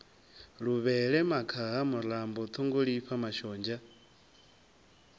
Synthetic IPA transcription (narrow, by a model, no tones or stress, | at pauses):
ɺuβɛɺɛmakʰaɦamulambɔt̪ʰuŋɡuɺiɸamaʃɔːnd͡ʒa